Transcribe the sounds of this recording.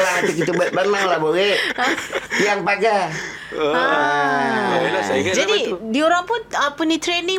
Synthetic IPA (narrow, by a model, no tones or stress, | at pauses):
laat̪ik̬it̪ubat̪̚banaŋlabowe | piaŋpaɡa | d͡ʒadidioɾaŋpʊnəpunit̪ɾeni